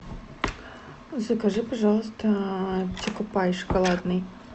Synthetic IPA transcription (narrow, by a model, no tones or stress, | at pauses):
zɐkɐʐɨpɐʐɑlˠəst̪ɐtʲikʊpajʂkɐlˠad̪nɨj